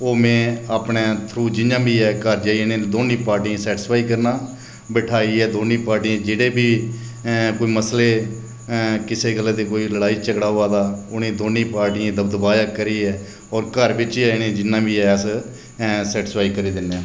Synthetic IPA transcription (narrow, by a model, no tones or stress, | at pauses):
oːmɛ̃ːaːpnẽːt̪ʰɾuːd͡ʒɪnãːbʱiːɛːkəɾd͡ʒaːinẽːd̪oːnĩːpaːɾʈiãːsɛːʈɪspʰaːikəɾnaː | bɛʈʰaːiːɛːd̪oːnĩːpaːɾʈiːãːd͡ʒeːɽeːbʱiː | koːiːməsleː | kɪseːɡəlãːd̪eːkoːiləɽaːiːt͡ʃəkɽaːoːaːd̪aːʊnĩːd̪oːnĩːpaːɾʈiːãːd̪əbd̪əbaːjaːkəɾiːɛː | ɔːɾkəɾbɪt͡ʃːɛːnẽːd͡ʒɪnːãːbʱiːɛːəs | sɛːʈɪspaːikəɾiːd̪ɪnːãː